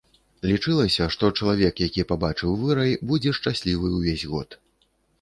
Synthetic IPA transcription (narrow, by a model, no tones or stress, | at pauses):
lʲit͡ʂɨlˠɐsʲɐʂt̪ɔt͡ʂɐlˠavʲɛkjakʲipabat͡ʂɨwvɨɾɐjbud͡zʲɛʂt͡ʂasʲlʲivɨwvʲezʲɣɔ̰t̪